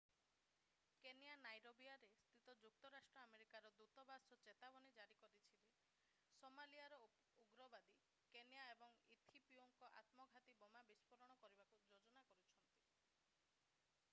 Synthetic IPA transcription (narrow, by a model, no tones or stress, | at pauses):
kenijanajɾobiaɾest̪ɾit̪ɔd͡ʒuk̚t̪ɔɾasʈɾɔameɾikaɾɔd̪ut̪ɔbasɔt͡ʃet̪abɔnid͡ʒaɾikɔɾit͡ʃʰili | somaliaɾɔ | uɡɾɔbad̪i | kenijaebɔŋit̪ʰipioŋkɔʔa̰t̪mɔɡʱat̪ibɔmabispɔɾɔɽ̃ɔkɔɾibakud͡ʒod͡ʒɔnakɔɾut͡ʃʰɔnt̪i